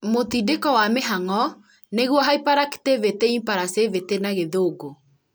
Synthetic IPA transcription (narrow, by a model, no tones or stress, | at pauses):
motidekɔwameɦaŋɔ | neɣwɔɦaipaɾake̥teveteimpaɾasevetenaɣeðoɡo